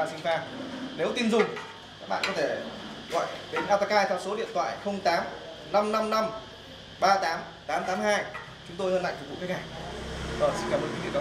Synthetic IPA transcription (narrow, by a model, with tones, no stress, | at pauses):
a˧˩sï˧ŋ̟faː˧˩ne˨˦wt̪i˧nzʊ˨˩ŋ͡m | ka˦˥k̚ɓa̰ː˧˨nkɔ˨˦t̪ʰe˧˩ɣɔ̰˧˨jɗe˨˦nʔaː˧wt̪aː˧kaː˧jt̪ʰɛ˧wso˨˦ɗḭ˧ənt̪ʰwa̰ː˧˨jxə˧wŋ͡mt̪aː˨˦m | na˧mna˧mna˧m | ɓaː˧t̪aː˨˦m | t̪aː˨˦mt̪aː˨˦mhaː˧j | t͡ɕʊ˨˦ŋ͡mt̪o˧jhəː˧nla̰˧˨jŋfʊ˨˩k̚v̰kaː˦˥k̚aː˨˩jzɔː˨˩si˧nkaː˨˩m̚˨˩ki˨˦ḭ˧˨˦